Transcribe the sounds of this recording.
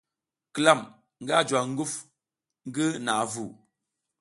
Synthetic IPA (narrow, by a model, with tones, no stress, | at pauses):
kla˦˨m | ŋ̩˦ɡa˦˨d͡ʒwa˨ŋ̩˦ɡu˦f | ŋ̩˦ɡə˦na˨vu˨